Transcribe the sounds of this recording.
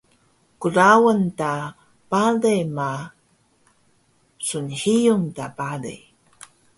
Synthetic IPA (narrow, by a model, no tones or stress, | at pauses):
kuɾawənta | palema | sunhijuŋtapalḛ